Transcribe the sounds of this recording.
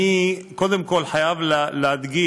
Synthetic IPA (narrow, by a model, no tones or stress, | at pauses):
iko̞d̪emko̞lħajavllead̪ɡi